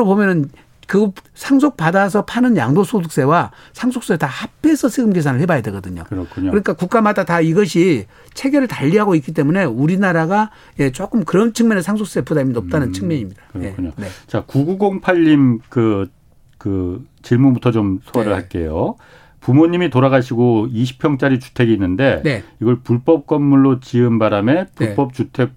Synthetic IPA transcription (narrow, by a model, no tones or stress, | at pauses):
obomjʌnɯn | kɯsʰaŋs̬ʰok̚padas̬ʰʌpʰanɯnjaŋdosʰoduk̚s͈e̞wa | sʰaŋsʰoks͈eetahapʰeːsʰʌsʰeɡɯmɡe̞s̬ʰanɯɭhebajadwe̞ɡʌdɯɲo̰kɯɾʌkʰuɲoɯɾʌɲik͈akuk͈amadataiɡʌɕʰi | t͡ɕʰe̞ɡe̞ɾɯɭtaʎːiɦaɡoik͈it̬͈e̞mune̞uɾinaɾaɡa | je̞t͡ɕ͈ok͈ɯmkɯɾʌnt͡ɕʰɯŋmjʌnesʰaŋsʰok̚s͈epudaminʌp̚t͈anɯnt͡ɕʰɯŋmjʌɲimɲid̥ḁkɯɾe̞kʰuɲone̞t͡ɕakuɡuɡoŋpʰaʎːimkɯ | kɯ | t͡ɕiɭmubutʰʌt͡ɕomsʰoaɾɯɭhaɭk͈e̞̰jo | pumoɲimitoɾaɣaɕʰiɡoiɕʰi̥pʰjʌŋt͡ɕ͈aɾit͡ɕu̥tʰe̞ɡiːnːɯnde̞neiɡʌɭpuɭp͈ʌp̚k͈ʌnmuɭːot͡ɕiɯnbaɾame̞pup͈ʌp̚t͡ɕ͈utʰe̞k̚